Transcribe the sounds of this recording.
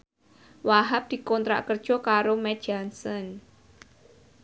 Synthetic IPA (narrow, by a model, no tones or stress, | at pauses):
waɦap̚d̪̥i̤kɔnt̪ɾa̰ʔkərd̥ʒ̥ɔ̤kaɾomɛ̥ʒ̥ansən